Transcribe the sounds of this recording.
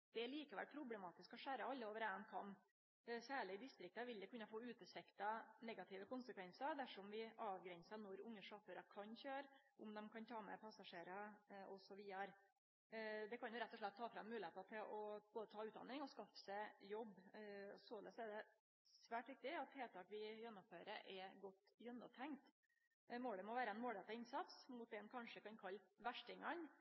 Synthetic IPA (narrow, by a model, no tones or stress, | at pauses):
d̪̥ɛɛliːkəʋæ̰lpʰɾʊblɛmɑːt̪ɪskɔʂæːɾəɑlːəoːʋəɾɛnkʰɑm | sæːɭɪd̪ɪst̪ɾɪk̚t̪əʋɪld̪ɛkʉnɑfoːʉːt̪əsɛkt̪ɑnɛɡɑt̪ʰɪːʋəkʊnsəkʋɛnsəd̪æʂɔmʋɪʔɑːʋɡɾɛnsənɔɾʊŋːəʂɑføɾɑkʰɑnçøːɾʔʊmd̪ɛmkʰɑnt̪ʰɑːmɛ̰pʰɑsɑʂeːɾɑɔsɔʋiːɑɾ | d̪ɛkʰɑnjʊɾɛt̪ːɔʂɭɛt̪ʰːɑːfɾɑmːʉːlɪheːt̪ɑt̪ʰɪlʔɔb̥oːd̪ət̪ʰɑːʉːt̪d̪ɑ̰nɪŋɔskɑfə̥sɛjɔbːsoːlɛ̰sɛɖɛ | sʋæːʈʋɪk̚t̪ɪɑt̪heːlt̪ʰɑːkʋɪjɛnːʊmføːɾəɾʔɛɡɔt̪ːjœnːɔt̪ʰɛŋkt̪ | moːɽəmɔʋæːɾəɛnmoːld̪ɛt̪ːɑɪnsɑt̪smʊt̪̚d̪ɛnkʰɑnʂəkɑnkʰɑlːʋæʂʈɪŋɑn